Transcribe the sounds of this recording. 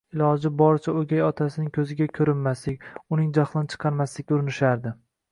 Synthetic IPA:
ɪlˠɒd͡ʒɪbɒɾt͡ʃʰaoɡʲajɒt̪ʰasɪnɪŋkʲʰɵzɪɡʲakʲʰɵɾɪnmaslɪkʲʊnɪŋd͡ʒɒχlˠɪnt͡ʃʰɨ̥qʰɑɾmaslɪk̚ʲʊɾɪnɪʃaɾd̪ɪ

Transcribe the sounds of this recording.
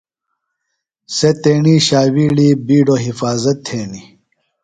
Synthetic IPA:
set̪eːɳiɕaːwiɽibiːɖoɦifaːzɐt̪ʰːeːɳi

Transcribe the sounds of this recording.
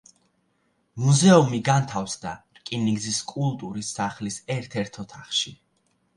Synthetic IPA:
muzɛumiɡant̪ʰafsd̪a̰ɾkʼiniɡziskʼulˠt̪ʼuɾisːaχlisɛɾt̪ʰɛɾt̪ʰɔt̪ʰaχʃi

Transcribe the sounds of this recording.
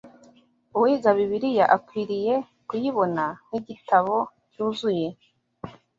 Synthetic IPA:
uwiɡaβiβiɾijaʔakwiːɾije̞ | kujiβo̞nan̥iɟitaβo̞ | cuːzuje̞

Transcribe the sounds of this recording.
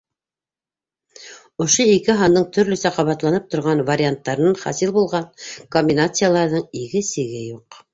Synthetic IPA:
ŏʃoikɘɦɑnd̪ɤɴt̪ʰɵ̆ɾlɵ̆sæqɑβɑt̪lˠɑnɤp̚t̪ŏɾʁɑnvɐɾʲɪant̪ːɑɾɤ̆nɑɴχɑ̰silˠbulˠʁɑnkombʲinat̪sɨjalˠɑɾðɤɴiɡɘsɘ̆ɡɘjuq

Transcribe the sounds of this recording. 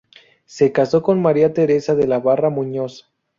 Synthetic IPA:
se̞kaso̞ko̞nmaɾiat̪e̞ɾe̞saðe̞laβaramũɲo̞sḁ

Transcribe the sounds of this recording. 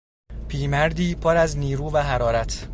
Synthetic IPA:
pʰiːmæɾd̪iːpʰoɾæzniːɾuːvæɦæɾɒːɾæt̪ʰ

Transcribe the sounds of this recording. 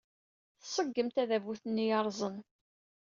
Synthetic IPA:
θsˤəɡːəmt̪æðævuθənːijɑɾˤzˤən

